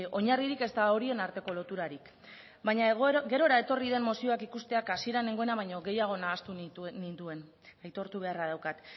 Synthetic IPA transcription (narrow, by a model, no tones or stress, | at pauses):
o̞ɲariɾike̞st̪ao̞ɾie̞naɾt̪e̞ko̞lo̞t̪uɾaɾik | baɲaɡe̞ɾo̞ɾae̞t̪o̞riðe̞mmo̞sio̞akikust̪e̞akasie̞ɾane̞ŋɡo̞e̞naβ̞ajɲo̞ɣe̞jaɣ̞o̞naːst̪unit̪ue̞n | ajt̪o̞ɾt̪uβ̞e̞arað̞awkat̪